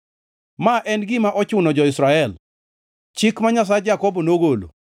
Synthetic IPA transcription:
maʔɛnɡɪmaʔɔt͡ʃʊnɔd͡ʒɔɪsɾaɛl | t͡ʃɪkmaɲas̬aɛd͡ʒakɔbonoɡolo̰

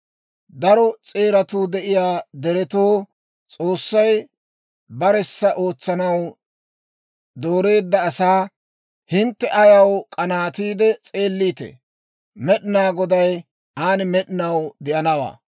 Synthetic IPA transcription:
d̪ɐɾɔt͡sʼe̞ːɾɐt̪uːd̪ɛʔɪjaːd̪ɛɾɛt̪oː | t͡sʼo̞ːsːɐj | bɐɾɛsːɐʔo̞ːt͡sːɐnɐw | d̪o̞ːɾe̞ːd̪ːɐːsaː | hɪnt̪ːɛʔɐjɐwkʼɐnaːt̪iːd̪ɛt͡sʼe̞ːlːiːt̪ɛ̰ | mɛɗɪnaːɡɔd̪ɐj | aːnɪmɛɗnɐwd̪ɪʔɐnɐwa̰ː

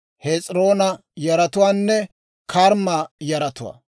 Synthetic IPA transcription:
het͡sʼɾo̞ːnɐ | jɐɾɐt̪ʊwaːnːɛ | kʰɐɾmajɐɾɐt̪ʊwa̰ː

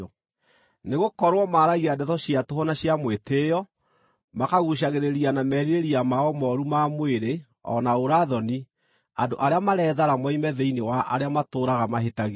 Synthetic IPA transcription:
neɣokɔɾwɔmaɾaɣiadɛtɔɕiatohɔnaɕjamwetejɔ | makaɣuɕ̬aɣeɾeɾianamɛːɾiɾeɾiamaɔmɔɾumamweɾe | ɔ̰naoɾaðɔni | andoʔaɾeamaɾɛːðaɾamɔimɛðɛinewaʔa̰ɾeamatoːɾaɣamaɦetaɣe

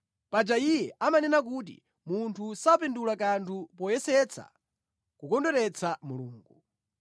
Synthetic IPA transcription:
pad͡ʒaijɛʔamanɛnak̬ut̬ḭ | muntʰusapɛndulakantʰupɔjɛsɛt͡sʰa̰ | kukɔndɔɾɛt͡sʰamuluːŋɡu

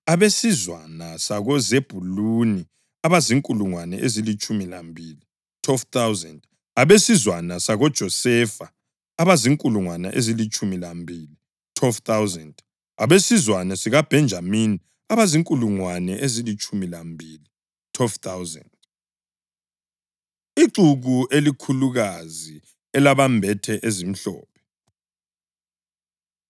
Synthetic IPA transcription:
aβesizwanasaɣɔzeb̥ʱuluni | aβaziŋkʼuluŋwanɛ̰ʔezilit͡ʃʼumilambʱili | tʰwɛlft̪awzɛnd | aβesizwanasaɣɔd̥ʒ̥ʱɔsɛfa | aβaziŋkʼuluŋwanɛ̰ʔezilit͡ʃʼumilambʱiːli | tʰwɛlft̪awzɛnd | aβesizwanɛsiɣab̥ʱɛnd͡ʒʱamini | aβaziŋkʼuluŋwanɛʔezilit͡ʃʼumilambʱili | tʰwɛlft̪ʰawzɛ̰nd | iǃuɣuʔelikʰuluɣazi | ɛlaβambʱɛtʰɛʔezim̩ɬɔ̰ːpʰɛ̥

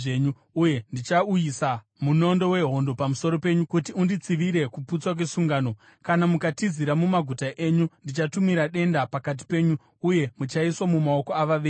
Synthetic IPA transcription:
eɲu | uje̞ndit͡ʃaujisa | muno̞ndo̞we̞ɦo̞ndo̞pamuso̞ɾo̞pe̞ɲukutiundit͡siʋiɾe̞kuput͡swak̬wesuŋɡaːno̞ | kanamukatiziɾamumaɡʱutaʔe̞ɲundit͡ʃatumiɾaɗe̞ndapakat̬i̥pe̞ːɲu | uje̞mut͡ʃaiswamumao̞koaʋaʋeː

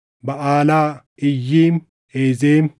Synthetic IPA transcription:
bɐʔaːlaː | ɪjːiːm | eːzeːm

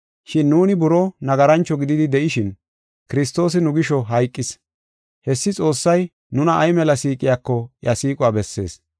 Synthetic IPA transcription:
ʃɪnːuːnɪbʊɾɔnɐɡɐɾɐnt͡ʃːɔɡɪd̪ɪd̪ɪd̪ɛʔɪʃɪn | kɪɾɪst̪o̞ːs̬ɪnʊɡɪʃɔɦɐjkʼːɪs | hɛsːɪt͡sʼo̞ːsːɐj | nʊnɐʔɐjmɛlɐsiːkʼɪjaːkːɔjɐsiːkʼʊwaːbɛsːe̞̰ːs

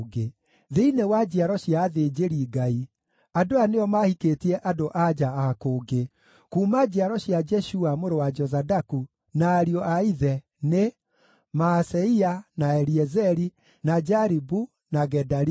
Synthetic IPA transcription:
ɡe | ðeinewad͡ʒiaɾɔɕiaːðeːd͡ʒeɾiɡai | adoaneɔmahikeːtiɛʔadoʔad͡ʒaakoːɡe | kuːmad͡ʑiaɾɔɕiad͡ʒɛʃuamoɾowad͡ʒɔzadaku | naːɾiɔʔaiðɛ | ne | masɛianaɛɾiɛzɛɾi | nad͡ʒaɾibu | naɡɛdaɾ

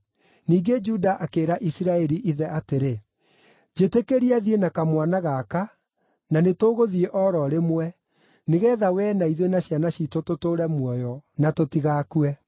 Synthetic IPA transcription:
niːɡed͡ʒudaʔakeːɾaʔisiɾaɛɾiʔiðɛateɾe | d͡ʒetekeɾiaðienakamwanaɣaka | nanetoːɣoðiɛʔɔɾɔɾemwɛ | neɣɛːðawɛnaiðwenaɕjanaɕitototoɾɛmwɔjɔnatotiɣaːkuɛ

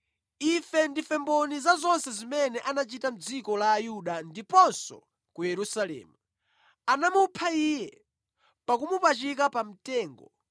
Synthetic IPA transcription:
ifɛndifɛmbɔnizazɔnsɛzimɛnɛʔanat͡ʃitam̩d͡zikɔlaːjuɗandipɔnsɔ̰ | kujɛɾusalɛ̰ːmu | anamupʰaijɛ | pakumupat͡ʃik̬apam̩tɛːŋɡɔ

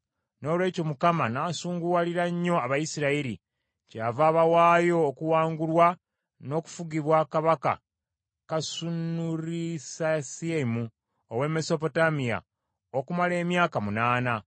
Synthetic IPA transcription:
no̞ːlwe̞ːco̞mukamanaːsuːŋɡuwaliɾaɲːo̞aβajisiɾaiɾi | caːvaːβawaːjo̞ːkuwaːŋɡulwa | no̞ːku̥fuɡiβwakaβaka̰ | kasunuɾisasiemu | owe̞me̞so̞po̞tamija̰ | okumale̞ːmjaːkamunaːna

